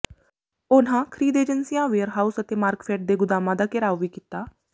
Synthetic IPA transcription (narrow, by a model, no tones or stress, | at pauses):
ʊnãːkʰɾiːd̪eːd͡ʒənsijãːʋeːəɾɦaːusət̪eːmaːɾkfʰɛːʈ̚d̪eːɡʊd̪aːmãːd̪aːkɪɾaːʋʋiːkit̪aː